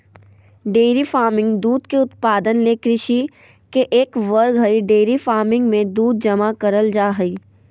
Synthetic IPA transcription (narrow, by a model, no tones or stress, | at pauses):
ɖeːɾifaːɾmɪ̃ŋɡd̪uːd̪keʊt̪paːd̪ənlekɾɪʃi | keʔeːkʋəɾɡɦɐiɖeːɾifaːɾmɪ̃ŋɡmẽd̪uːd̪̚d͡ʒɐmakɐɾəld͡ʒaːɦɐiː